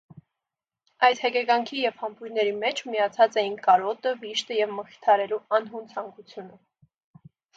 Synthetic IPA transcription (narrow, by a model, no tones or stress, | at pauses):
ɑjd̪hɛkɛɡɑŋkʰijɛv̥hɑmpʰujnːɛɾimɛt͡ʃʰmijɑt͡sʰɑt͡sɛjinkɑɾɔt̪əviʃt̪əjɛvməχi̥t̪ʰɑɾɛluɑnɦunt͡sʰɑŋkut͡sʰjunə